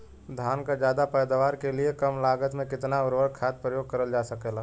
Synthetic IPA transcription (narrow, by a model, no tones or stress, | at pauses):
d̪ʱaːnkad͡ʒjaːd̪apɛːd̪aʋaːɾkeliekəmlaːɡət̪mẽkɪt̪naʊɾʋəɽkʰaːt̪̚pɾəjoːɡ̚kəɾəld͡ʒaːsəkelaː